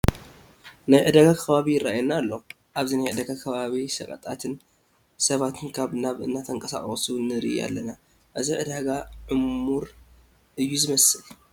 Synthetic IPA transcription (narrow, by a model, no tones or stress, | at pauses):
najʕɨd̪aɡakʰɐβaβijɪrajɛnːalːo̞ | ʔaβzinajʕɨd̪aɡakʰɐβaβisɐkʼɐ̰t̪ʼat̪ʰɨn | sɐβat̪ʰɨnkʰaβnaβɨ̰nːat̪ʰɐŋkʼɐsa̰χʼsunɨɾɨ̰ja̰lːɐna | ʔɨziʕɨd̪aɡaʕɨmːuɾ | ʔɨjːuzɨmɐsɨl